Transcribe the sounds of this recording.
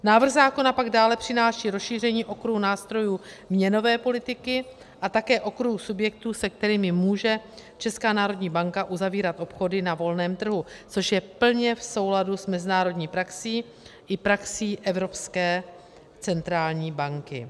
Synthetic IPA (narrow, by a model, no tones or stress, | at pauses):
naːvr̩ɣzaːko̞napaɡdaːlɛpr̝̥ɪnaːʃiːɾosʃiːr̝ɛɲiːʔo̞kɾuhunaːst̪ɾo̞juːmɲɛno̞vɛːpo̞lɪt̪ɪkɪ | ʔat̪akɛːʔo̞kɾuhusubjɛk̚t̪uːsɛk̚t̪ɛɾiːmɪmuːʒɛt͡ʃɛskaːnaːɾo̞dɲiːbaŋkaʔuzaviːɾat̪ʔo̞pxo̞dɪnavo̞lnɛːmt̪r̩ɦut͡so̞ʃjɛpl̩ɲɛfso̞wladusmɛzɪnaːɾo̞dɲiːpɾaksiː | ʔɪpɾaksiːʔɛvɾo̞pskɛː | t͡sɛnt̪ɾaːlɲiːbaŋkɪ̰